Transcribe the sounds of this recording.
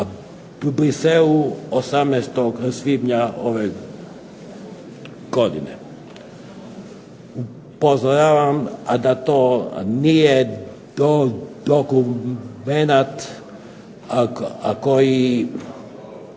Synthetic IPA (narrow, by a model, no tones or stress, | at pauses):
pubɾiseluosamnɛst̪oɡsʋib̪ɲaoʋe | ɡ̥od̪ḭnḛ | u | pozoɾaʋamad̪at̪oːnije | d̪od̪okumenat̪ | akoji